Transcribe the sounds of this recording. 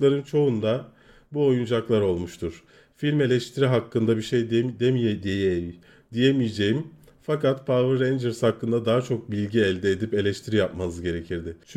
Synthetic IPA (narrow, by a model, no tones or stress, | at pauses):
lˠaɾɯnt͡ʃʰo̞und̪a | buo̞jund͡ʒaklˠaɾo̞lˠmuʃt̪ʰuɾ̥ | filʲme̞lʲɛʃt̪ʰiɾiɦakʰːɯnd̪abiɾʃejd̪d̪emijed̪ijejei | d̪ijemijed͡ʒe̞jim | fakat̪pʰavɯɾːend͡ʒeɾshakːɯnd̪ad̪aɦat͡ʃʰo̞k̚bilʲɟiɛlʲd̪ɛːd̪ipe̞lʲɛʃt̪ʰiɾijap̚manɯzɟe̞ɾe̞cʰiɾd̪ɪt͡ʃ